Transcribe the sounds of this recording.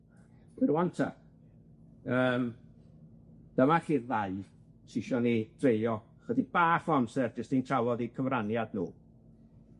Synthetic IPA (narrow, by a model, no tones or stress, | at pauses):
ɪɾwantʰa̰ | əːm | d̥əmaɬiːðaɨ | sɪʃɔnid̥reɨɔ | χədib̥aːfɔamsɛrd͡ʒəstintʰrawɔðikʰəvranjadnṵː